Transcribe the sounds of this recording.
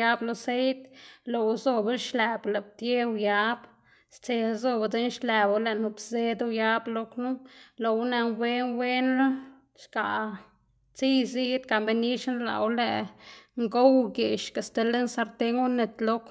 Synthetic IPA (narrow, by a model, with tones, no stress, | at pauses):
ja˦blo˧se˦jt̪lo˨˧˦zo˧be˦lʃlɛ˨ble˨b̚t̪je˦wja˧˦b | st͡se˧zo˧ba˧d͡ze˧˦nʃle˨ba˨˧le˧˨nu˧bze˦d̪u˦ja˦blo˧knu˦lo˨wna˧nwe˦nwe˦nla˦ | ʃka˨ | t͡si˦jzi˦t̪ka˨mbe˧ni˦ʃn˦la̰˨wlḛ˨ŋɡo˦wɡe˨ʃka˨st̪e˧le˦nsa˧ɾt̪e˧ŋɡu˦ne˧˨t̪lo˧˦k